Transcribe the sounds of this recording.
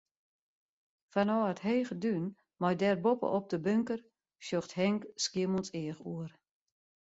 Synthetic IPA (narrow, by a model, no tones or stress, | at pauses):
fanɔːətheːɣədyn | mɔjdɛrbopə̰ʔɔp̚dəbøŋkər | ʃjoxthɛŋkskiəmɔnsɪəxuər